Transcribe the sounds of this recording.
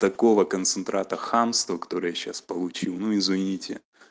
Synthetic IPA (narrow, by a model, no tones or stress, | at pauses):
t̪ɐko̞vəkənt̪sɨnt̪ɾʔat̪əxamst̪vəkɐ̥t̪o̞ɾɨjaɕːaspəlˠʊt͡ɕilˠnuɪzvʲɐnʲitʲɪ